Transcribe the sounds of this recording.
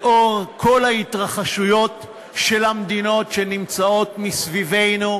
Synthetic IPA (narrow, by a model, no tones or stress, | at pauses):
ʔo̞ʁkʰo̞lhait̪ʁaχaʃujo̞t | ʃelamd̪ino̞tʃenimt͡sao̞t̪misvive̞jnu